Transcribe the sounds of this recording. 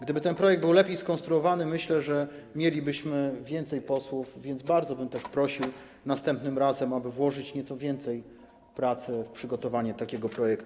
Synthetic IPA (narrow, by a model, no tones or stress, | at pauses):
ɡd̪ɘbɘt̪ɛnpɾɔjɛɡ̚d̪bɘwlɛpʲjejskɔnst̪ɾuɔvanɘmɘɕlɛʐɛmʲjelʲibɘɕmɘvʲjɛnt̪sɛjpɔswufvʲjɛnd̪zbaɾd̪zɔbɘmt̪ɛʂpɾɔɕiw | nast̪ɛmpnɘmɾazɛmabɘvwɔʐɘt͡ɕɲɛt̪sɔvʲjɛnt̪sɛj | pɾat̪sɘfpʂɘɡɔt̪ɔvaɲɛt̪akʲɛɡɔpɾɔjɛkt̪u